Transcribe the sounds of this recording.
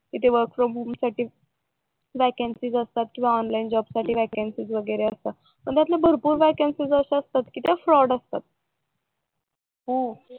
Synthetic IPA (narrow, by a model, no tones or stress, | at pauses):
kit̪eʋəɾkfɾɔmumsaʈiː | ʋækensiːd͡zəst̪at̪̚kĩʋaɔnlaind͡ʑɔbsaʈʰiːʋækensiːd͡zʋəɡəjɾeəst̪a | pəɳt̪jat̪labʱəɾpuːɾʋækansiːd͡zəseəst̪at̪kiːt̪eafɾɔɽəst̪at̪̚ | ɦo